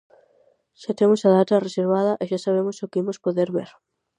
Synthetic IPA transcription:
ʃat̪emʊsaðat̪ɐreseɾβaðɐʔeʃasaβ̞emʊsokɪimospoðeɾβḛɾ

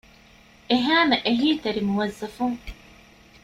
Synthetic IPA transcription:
ʔeɦaːmɐʔeɦiːt̪ɐɾimuwɐzːɐfuŋ

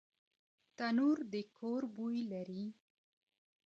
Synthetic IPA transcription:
t̪anuɾd̪əkʰoɾbujlaɾi

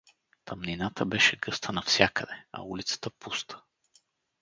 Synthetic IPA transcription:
t̪ʰɐmninat̪əbɛʃɛɡɤst̪ʰənɐfsʲjakəd̪ɛɐ̰ulit̪sə̥t̪əpust̪ʰə̥

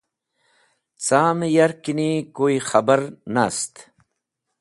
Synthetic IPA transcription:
t͡saːmjɐɾkinikoːixɐbəɾnast̪

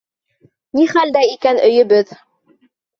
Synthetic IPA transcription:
niχæld̪æikænɵ̆jɵ̆βɘð

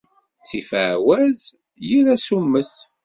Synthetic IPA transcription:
t͡sːifʕwæz | jiɾæsumːəθ

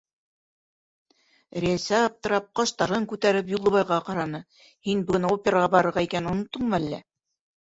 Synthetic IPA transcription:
ɾʲeæsæːp̚t̪ɤ̆ɾɑp̚qɑʃt̪ɑɾɤŋkʉt̪æɾɘp̬julˠːɤ̆βɑjʁɑqɑɾɑnɤ | hinbɘɡɘ̆næopʲɪɾaʁɑbɑɾɤ̆ɾʁɑikænunŏt̪ːɤɴmælːæ̰

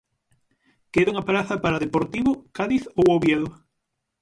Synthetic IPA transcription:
keðuŋapaɾaθɐpaɾaðepoɾt̪iβokaðiθowoβjeðʊ

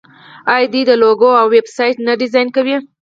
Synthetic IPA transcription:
ɑjd̪id̪əloɡoawːebsɑjʈnaɖɪzɑjnkawi

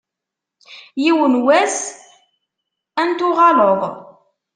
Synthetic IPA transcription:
jiwənwæs | ænt̪ʊʁɑloðˤ

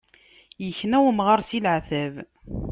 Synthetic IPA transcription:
jəçnæwəmʁəɾˤsilʕθæv

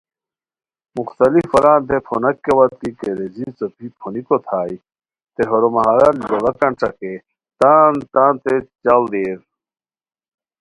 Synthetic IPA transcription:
muxt̪ɐlifːɐɾaːnt̪epʰonɐkːewɐt̪t̪ikeɾed͡ʑit͡sɐpʰipʰonikot̪ʰaːji | t̪eɦoɾomɐɦaːɾɐlolɐkɐɳʈ͡ʂɐke | t̪aːnt̪aːnt̪et͡ɕɐld̪eːɾ

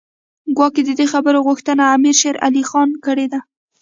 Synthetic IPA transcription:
ɡwɑked̪əd̪exabəɾoɣʊxt̪ənaːmiɾʃeɾa̰lixɑnkəɽed̪a

